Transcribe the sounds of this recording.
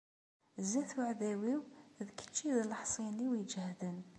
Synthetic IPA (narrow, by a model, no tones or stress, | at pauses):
zæθəʕðæwiwðkːə̥t͡ʃːiðləħsˤiniwid͡ʒhðən